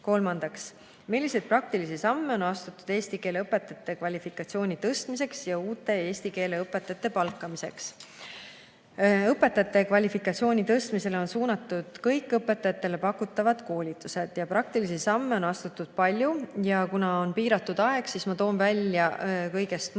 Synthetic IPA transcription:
ko̞lmɑnd̪̥ɑks | milʲːisejd̪̥̚prɑk̚t̪ilisisɑmːe̞o̞nɑst̪ut̪ːˑud̪̥e̞ːst̪ike̞leɤpːˑe̞t̪ːˑɑt̪ːˑe̞kvɑlʲifikːˑɑt̪sio̞ːnʲit̪ɤst̪mise̞ksjɑuːt̪ːˑe̞e̞ːst̪ike̞ːle̞ɤpːˑe̞t̪ːˑɑt̪ːˑe̞pɑlkːˑɑmise̞̰ks | ɤpːˑe̞t̪ːˑɑt̪ːˑe̞kvɑlʲifikːˑɑt̪sio̞ːnʲit̪ɤst̪mise̞leo̞nsuːnɑt̪ːˑud̪̥kɤjkːˑɤpːˑe̞t̪ːˑɑjɑt̪ːˑe̞le̞pɑkːut̪ːˑɑvɑd̪̥ko̞ːlʲit̪ːˑuse̞d̪̥jɑprɑk̚t̪ilisisɑmːe̞o̞nɑst̪ut̪ːˑud̪̥pɑlʲjujɑkunɑonpiːɾɑt̪ːˑud̪̥ɑe̞ɡ̥siːsmɑt̪o̞ːnvælʲjɑkɤjɡe̞st̪

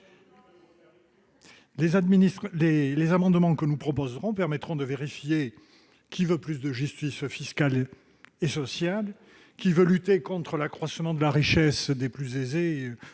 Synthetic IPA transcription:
leaminilelezamɑ̃d̪mɑ̃kənupχɔpɔzʁɔ̃pɛʁmɛt̪χɔ̃d̪əveʁifje | kʲivøplys̬d̪əʒyst̪isfiskal | esɔsjal | kʲivølyt̪ekɔ̃t̪χəlakχwasmɑ̃d̪əlaʁiʃɛsd̪eplyzeze

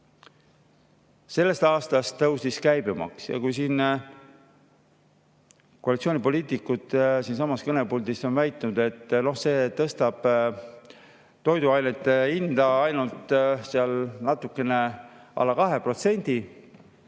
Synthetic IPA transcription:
se̞lːe̞st̪ɑːst̪ɑst̪ːɤwsiskæjbemɑ̰ksjɑ̰kujsiːn | koɑlit̪sioːnʲipo̞liːt̪ˑikːˑut̪siːnsɑmːɑskɤne̞puld̪ist̪o̞nvæjt̪ːˑnud̪̥e̞t̪ːno̞hse̞ːt̪ɤst̪ɑb̥ | t̪o̞jd̪uɑjnet̪ːeind̪ɑɑjnult̪ˑseɑlnɑt̪ːukːˑe̞ne̞ʔɑ̰lːɑkɑɦe̞pro̞t̪se̞nʲd̪̥i

